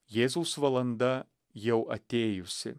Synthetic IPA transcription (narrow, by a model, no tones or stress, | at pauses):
jeːzuːsʋɐlˠɐnd̪ɐ | jɛwʔɐt̪ʲeːjʊsʲɪ̰